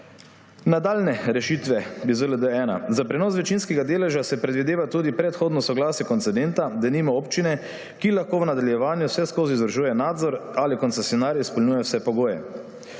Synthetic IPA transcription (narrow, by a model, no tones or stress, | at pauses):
nad̪aːlnɛɾɛʃit̪ʋɛbizʋelɛd̪əɛːna̰zapɾɛnɔːsʋɛt͡ʃinskɛɡad̪eːlɛʒasɛpɾɛd̪ʋid̪eːʋat̪uːd̪ipɾɛt̪xoːd̪nɔsɔɡlaːsjɛkont̪sɛd̪ɛnt̪ad̪aniːmaoːpt͡ʃinɛ | kilaxkoːʋnad̪aljɛʋaːnjusɛskoːziːzʋɾʒuːjɛnaːd̪zɔɾalikɔnt̪sesjɔnaːɾjispɔlnuːjɛwsɛpɔɡoːjɛ̰